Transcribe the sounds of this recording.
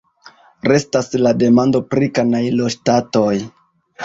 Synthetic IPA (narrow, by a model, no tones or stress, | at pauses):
ɾe̞staslade̞mando̞pɾikanajlo̞ʃtato̞j